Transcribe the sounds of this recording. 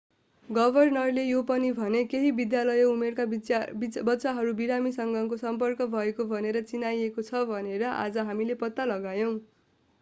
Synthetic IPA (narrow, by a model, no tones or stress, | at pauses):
ɡʌbʱʌrnʌrlejopʌnibʱʌnekeɦibid̪jalʌjumerka | bʌtːsaɦʌɾubiɾamisʌŋɡʱʌkosʌmpʌrkʌbʱʌekobʱʌneɾʌt͡sinajekot͡sʰʌbʱʌneɾʌʔa̰d͡zʌɦamilepʌt̪ːalʌɡajʌw̃